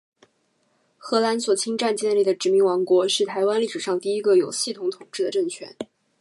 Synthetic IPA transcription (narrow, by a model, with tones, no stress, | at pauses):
xɤ˧˥la˧˥nswɔ˨˩t͡ɕʰi˥ŋʈ͡ʂa˥˧nt͡ɕjɛ˥˧nli˥˩d̪ə˩ʈ͡ʂɻ̩˧˥mi˧˥ŋwɑ˧˥ŋkwɔ˧˥ʂɻ̩˥˩t̪ʰa˧˥ɪwa˥nli˥˩ʂɻ̩˨˩ʂɑ˥˧ŋt̪i˥˩i˥ɡə˧jo˨˩ʊɕi˥˩t̪ʰʊ˧˥ŋt̪ʰʊ˨˩ŋʈ͡ʂɻ̩˥˩d̪ə˩ʈ͡ʂɤ˥˩ŋt͡ɕʰɥɛ̰˧˥n